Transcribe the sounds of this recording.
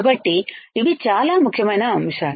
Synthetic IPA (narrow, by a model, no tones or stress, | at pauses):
bɐʈːiiʋit͡ʃaːlaːmukʰjɐmɐjnɐːmʂa